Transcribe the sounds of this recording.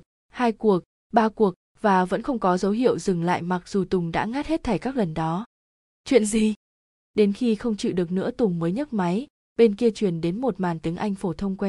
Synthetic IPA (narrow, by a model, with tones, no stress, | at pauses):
haː˧jku˨˩ək̚ | ɓaː˧ku˨˩ək̚ | vaː˨˩və̰˧˥nxə˧wŋ͡mkɔ˨˦zə˨˦wɦḭ˧˨əwzɨ˨˩ŋla̰ː˧˨jma˨˩k̚z̥u˨˩t̪ʊ˨˩ŋ͡mɗa̰ː˧˥ŋaː˦˥t̚he˦˥t̚t̪ʰa˧˩jkaː˦˥k̚lə˨˩nɗɔ˨˦ | t͡ɕwḭ˧˨ənzi˨˩ | ɗe˨˦nxi˧xə˧wŋ͡mt͡ɕḭ˧˨ɗɨ˨˩ək̚nɨ̰˧˥ət̪ʊ˨˩ŋ͡mməː˨˦jɲə˦˥t̚ma˨˦j | ɓe˧nki˧ət͡ɕwi˧˩ənɗe˨˦nmo˨˩t̚maː˨˩nt̪i˨˦əŋʔa˧jŋ̟fo˧˩t̪ʰə˧wŋ͡mkwɛ˧n